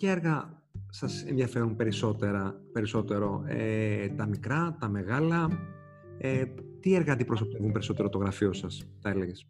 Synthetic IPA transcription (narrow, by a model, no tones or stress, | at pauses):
ceeɾɣɐ | sɐsḛnðʝɐfe̞ɾumpe̞ɾiso̞t̪eɾɐpe̞ɾiso̞t̪e̞ɾo̞ḛt̪ɐmikɾɐt̪ɐme̞ɣɐlɐ | et̪ieɾɣɐnd̪ipɾo̞sot̪e̞vumpe̞ɾiso̞t̪e̞ɾot̪o̞ɣɾɐfiosɐst̪ɐeleʝes